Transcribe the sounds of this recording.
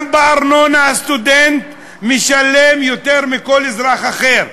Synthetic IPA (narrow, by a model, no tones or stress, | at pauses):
mbaːɾnonaast̪ud̪ent̪ | miʃalemjot̪eɾmiko̞lezɾaχaχeɾ